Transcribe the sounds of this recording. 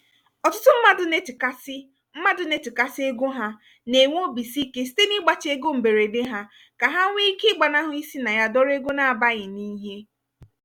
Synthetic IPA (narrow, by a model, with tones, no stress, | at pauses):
ɔ˨tʊ˦tʊ˦m̩˦ma˦dʊ˨ne˦tka˦s | m̩˦ma˦dʊ˨ne˦ti˨ka˦se˦ɡo˦ɦa˦ | ne˨ŋʷ˦o˦bi˨si˦ke˦si̥˦te˦ni˦ɡ͡ba˨t͡ʃe˦ɡo˦m̩˨be˨ɾe˨de˦ɦa˦ | ka˨ɦa˦ŋʷi˦kɪ˦ɡ͡ba˨na˦ɦʊ˦i˦si˦na˨ja˦dɔ˦ɾe˦ɡo˦na˨a˨ba˦ɣɪ˨ni˦ɦe˦